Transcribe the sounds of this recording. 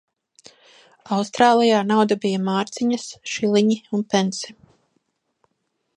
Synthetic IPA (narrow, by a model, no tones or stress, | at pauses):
awst̪ɾaːlˠijaːnawd̪abijamaːɾt̪siɲɐsʃilˠiɲiunpɛnsi̥